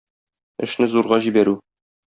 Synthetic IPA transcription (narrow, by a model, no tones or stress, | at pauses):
ɘ̆ʃnɘzuɾʁɑʑibæɾʉ